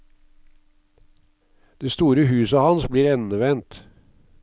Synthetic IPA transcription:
d̪̥eːst̪uːɾəhʉːsəhɑnsbliːɾɛnəʋɛnt̪

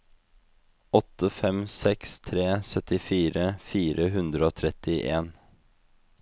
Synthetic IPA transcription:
ɔt̪əfɛmsɛkst̪ʰɾeːsœt̪ɪfiːɾəfiːɾʔəɦʉnd̪ɾəoːt̪ʰɾɛt̪ɪʔeːn

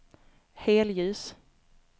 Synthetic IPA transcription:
heːljʉ̟ːs

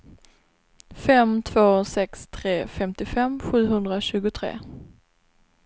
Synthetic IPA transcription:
fɛmt̪ʰvoːsɛkst̪ʰɾeːfɛmt̪ɪfɛmɧʉ̟ːɦɵnd̪ɾaɕʉ̟ːɡʊt̪ʰɾḛː

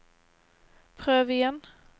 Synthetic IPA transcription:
pʰʁøːvɪjɛn

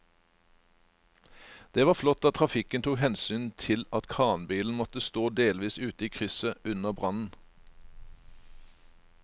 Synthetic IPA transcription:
d̪̥eːʋɑːflɔt̪ːɑt̪t̪ʰʁɑfɪkənt̪ʰuːhɛnsyːnt̪ʰɪlɑt̪kʰʁɑːnbiːln̩mɔt̪əst̪oːd̪eːlʋiːsʉːt̪əiːkʰʁʏsəʉnəbʁɑnn̩

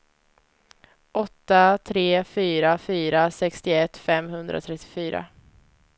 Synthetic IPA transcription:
ʔɔt̪ːat̪ʰɾeːfyːɾafyːɾasɛkst̪ɪɛt̪ːfɛmhɵnd̪ɾa̰t̪ʰɾɛt̪ʰːɪ̥fyːɾa̰

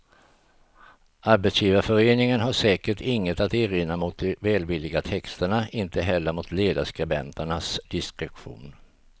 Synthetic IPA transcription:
aɾbɛt̪sjiːvaɾfœɾeːnɪŋənɦaʂɛːkəʈɪŋːət̪at̪eːɾɪnːamʊt̪̚d̪ɛvɛːlvɪlːɪɡat̪ʰɛkst̪əɳaɪnt̪əɦɛlːəɾmʊt̪leːd̪aʂkɾɛbɛ̰nt̪əɳasd̪̥ɪskɾɛkɧṵːn

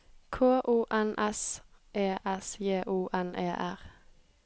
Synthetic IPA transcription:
kʰoːʔuːʔɛnʔɛsʔeːʔɛsjeːʔuːʔɛnʔḛːʔæʁ

